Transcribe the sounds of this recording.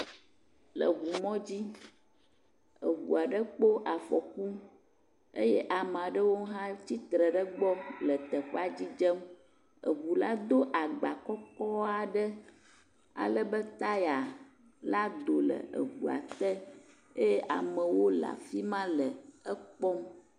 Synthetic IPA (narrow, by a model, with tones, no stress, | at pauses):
lə̰˨ɣu˨mɔ̃˦d͡ʑi˦ | ə̰˨ɡṵ˨a˨ɖə˦k͡po˦ʔa˨fɔ˨ku˦ | ḛ˦jɛ˦ʔa˨me˨a˨ɖə˦wo˦ɦã˦t͡ɕi˦t̪ɾə˨ɖə˦ɡ͡bɔ˦lə˨t̪ə˨ɸa˦d͡ʑi˦d͡ʒə˦m | ə̰˨ɣu˨la˦d̪o˦ʔa˨ɡ͡ba˨kɔ˦kɔ˦a˨ɖə˦ | a̰˨lə˦bə˦t̪a˦ja˨ | la˦d̪o˨lə̰˨ə̰˨ɡu˨a̰˨t̪ə˦ | e˦jɛ˦ʔa̰˨mə̃˨wo˦la̰˨fi˦mã˦lə˨ə˦k͡pɔ˦m